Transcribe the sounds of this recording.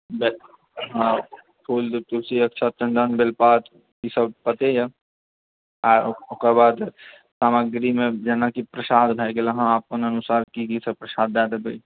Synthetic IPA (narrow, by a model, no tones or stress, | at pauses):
bɛ | ɦã | pʰuːld̪ut̪uɾsiɐkt͡ʃʰat͡ʃɐ̃nd̪aːnbelpaːt̪ | kisɐb̚pɐt̪eja | aokəɾbaːd̪ | saːməɡɾimẽd͡ʒɛːnakipɾɐsaːd̪bʱaikelɐɦãaːp̚kɐnɐnʊsaːɾkikisɐbpɾɐsaːd̪ːaːd̪eb̪ɐi